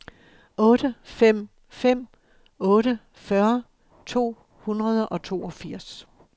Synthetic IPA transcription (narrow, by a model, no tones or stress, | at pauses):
ʔɔ̽ːɾ̥əfem̰ | fem̰ | ɔ̽ːɾə | fɶɐ | t͡sʰo̝̰ː | hunʁɐð̞ˠəʔɒ̽t͡sʰo̝ːɒ̽fiɐ̰s